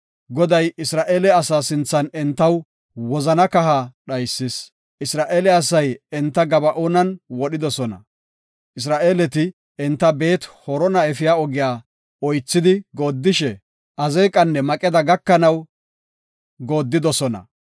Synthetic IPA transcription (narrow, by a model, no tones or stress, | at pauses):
ɡɔd̪ɐjɪsɾaːʔeːlɛɐsaːsɪnt͡sːɐnɛnt̪ːɐw | wɔzɐnɐkɐɦaɗɐjsːɪs | ɪsɾaːʔeːlɛɐs̬ɐjɛnt̪ːɐɡɐbɐʔoːnɐnwɔɗɪd̪ɔsɔnɐ̰ | ʔɪs̬ɾaːʔeːlɛt̪ɪ | ɛnt̪ːɐbe̞ːt̪hɔɾɔnɐɛfɪjaːɔɡɪjaː | ɔjt͡sːɪd̪ɪɡo̞ːd̪ːɪʃɛ | ʔɐzeːkʼɐnːɛmɐkʼɛd̪ɐɡɐkːɐnɐw | ɡoːd̪ːɪd̪ɔsɔnɐ̰